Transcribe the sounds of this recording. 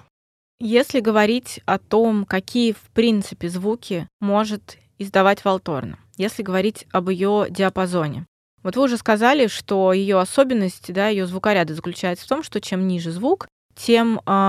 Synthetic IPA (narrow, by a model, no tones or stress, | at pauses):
jesʲlʲɪɡəvɐɾʲitʲɐt̪o̞mkɐkʲijəfpɾʲint̪sɨpʲɪzvukʲɪmo̞ʐɨt̪ | ɪzd̪ɐvatʲvɐlˠt̪o̞̰rnə̰ | jesʲlʲɪɡəvɐɾʲitʲɐbəɪjo̞dʲɪɐpɐzo̞nʲɪ̰ | vot̪vɨʊʐɛskɐzalʲɪʂt̪o̞jɪjo̞ɐso̞bʲɪnːəsʲtʲɪd̪ajɪjo̞zvʊkɐɾʲad̪əzəklʲʉt͡ɕæjɪt̪sə̥ft̪omʂt̪o̞t͡ɕe̞mnʲiʐɨzvuk | tʲʰe̞m